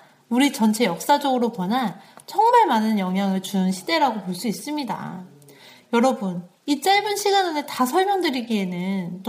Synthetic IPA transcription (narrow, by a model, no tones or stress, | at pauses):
uɾit͡ɕʌnt͡ɕʰe̞jʌk̚s͈ad͡ʑʌɡɯɾopwʌnant͡ɕʰʌŋmaɭmanɯnjʌŋɦjaŋɯɭt͡ɕuɯnɕʰide̞ɾaɡopoɭs͈uis͈ɯmɲida̰ | jʌɾʌbun | it͡ɕ͈aɭbɯnɕʰiɡanɯnetasʰʌɭmjʌŋdɯɾiɡie̞nɯnt͈